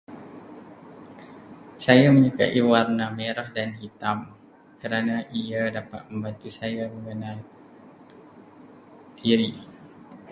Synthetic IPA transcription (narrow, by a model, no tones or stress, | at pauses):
sajamə̃ɲuka̰ʔiwarnameɾahdanɦit̪am | kəɾanaʔiadapat̪̚məmbant̪usajaməŋəna | tiɾi